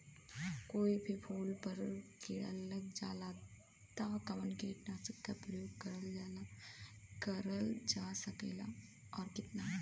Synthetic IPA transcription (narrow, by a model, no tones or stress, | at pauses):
koːibʱipʰuːlpɐɾkeːɽə̰lːəɡd͡ʒa̰ːlaː | t̪akɐʋənkeːʈnast͡ʃəkːapɾəjoːɡ̚kɐɾəld͡ʒaːla | kɐɾəld͡ʒaːsɐkḛːla̰ | ɔːɾkɪt̪na